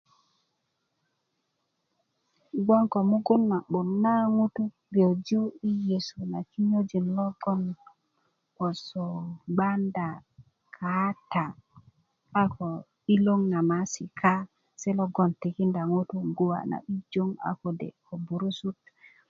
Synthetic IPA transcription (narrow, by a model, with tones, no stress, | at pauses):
ɡʷa˦ŋko˨mu˦ɡu˦nːa˨ɓu˨nːa˦ŋu˦tu˦ | be˨d͡ʒu˦i˦je˨su˨na˨ki˦ɲo˦d͡ʒi˨nlo˦ɡɔ˦n | ko˨so˨ɡ͡ba˦nda˨ | kʰa˨˦ta˨ | a˦ko˨ | i˦lo˦ŋna˨ma˦si˨kʰa˦ | se˦lo˦ɡo˨nti˨ki˦nda˨ŋu˦tu˦ɡu˦wa̰˨na̰˨ʔi˦d͡ʒo˦ŋa̰˨ko˨dḛ˨ko˨bu˨ɾu˦su˦t